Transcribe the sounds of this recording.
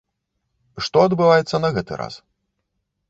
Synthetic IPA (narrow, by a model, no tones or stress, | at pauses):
ʂt̪ɔɐd̪bɨvajɛt̪sːɐnɐɣɛt̪ɨ̰ɾa̰s